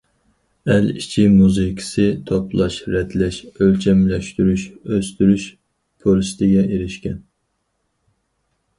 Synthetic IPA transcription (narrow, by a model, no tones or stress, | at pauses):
ɛlit͡ʃʰimuzɨkʰɨ̥sɨt̪ʰopʰlˠɑʃɾɛd̪lɛʃølt͡ʃʰɛmlɛʃt̪yɾyʃøst̪yɾyʃ | pʰolist̪ʰɪɡʲɛʔeɾɪʃkʲɛn